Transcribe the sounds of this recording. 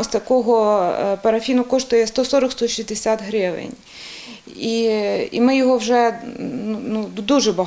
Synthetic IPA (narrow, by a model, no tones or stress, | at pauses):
st̪ɐkɔɦɔpɐɾɐfʲinʊkɔʃt̪ʊjɛst̪ɔsɔɾɔkst̪ɔʃʲizd̪esʲat̪ɦɾɪʋḛnʲ | iḭmɪjɔɦɔwʒɛnunud̪uʒɛbɐ